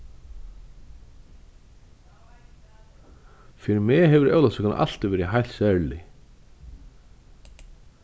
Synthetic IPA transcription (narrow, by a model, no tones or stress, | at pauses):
fɪɾɪɾmɛɦɛvʏɾœ̰ːwlasɛkan̰ʔa̰l̥t̪ɪvɛːɾɪɦajl̥sɛɹlɪ